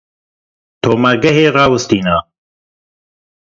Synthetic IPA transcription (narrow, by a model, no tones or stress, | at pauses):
t̪ʰoːmɐɡɐɦeːrɑːwɨst̪iːnaː